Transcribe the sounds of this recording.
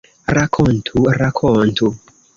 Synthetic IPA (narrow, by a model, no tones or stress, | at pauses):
ɾakʰontʰuɾakʰontʰu